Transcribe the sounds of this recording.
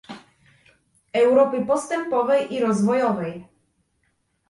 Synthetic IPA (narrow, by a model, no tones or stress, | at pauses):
ɛwɾɔpɘpɔst̪ɛmpɔvɛjʔiɾɔzvɔjɔvɛj